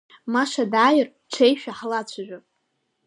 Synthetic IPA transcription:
maʂadaːjɪr | ʈ͡ʂʷʰejʃᶣaħlat͡ɕʷʰaʒᶣʷʊ

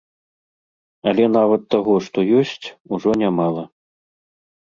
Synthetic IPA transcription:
ɐlʲɛn̪avɐt̪ːaɣɔʂt̪ɔjɔsʲt͡sʲuʐɔnʲamalˠɐ

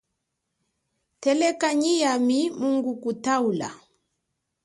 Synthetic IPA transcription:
tɛlɛkaɲijamimuŋɡukutaula̰

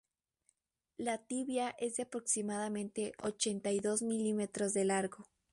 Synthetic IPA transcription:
lat̪iβjaʔe̞zðeapɾo̞ksimaðamẽ̞nt̪e̞ʔot͡ʃe̞nt̪ajðo̞zmilime̞t̪ɾo̞zðe̞laɾɣo̞

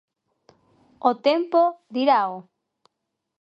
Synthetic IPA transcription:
ot̪empod̪iɾao

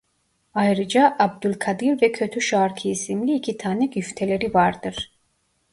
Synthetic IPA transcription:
ajɾɯd͡ʒaʔab̚d̪ylʲkʰad̪ɯɾvɛcʰø̞t̪ʰyʃaɾcʰiisimlʲiːcʰit̪ʰaːnɛɟyft̪ʰelʲe̞ɾivaɾd̪ɯɾ̥

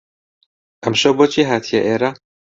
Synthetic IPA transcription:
ʔɐmʃɐbot͡ʃʰiːɦaːt̪ʰijɐʔeːɾɐ

